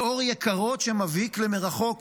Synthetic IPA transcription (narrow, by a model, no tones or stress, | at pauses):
oʁjekaʁo̞tʃemaviklemeʁaχo̞k